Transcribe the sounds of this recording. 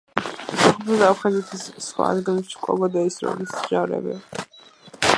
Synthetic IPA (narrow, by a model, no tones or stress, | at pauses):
saχɔpʰɾɔd̪aapʰχazɛt̪ʰisχwa̰ːd̪ɡilɛpʃi̥kʼɔɡɔd̪aisɾɔ̰lisʒ̥avɾɛ̰bɛ̰